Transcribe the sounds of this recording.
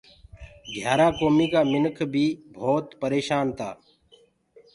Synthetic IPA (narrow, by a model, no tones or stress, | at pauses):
ɡʱjaːɾaːkoːmiːkaːmɪnkʰbʱiːbʱoːt̪pəɾeːʃaːnt̪ʰaː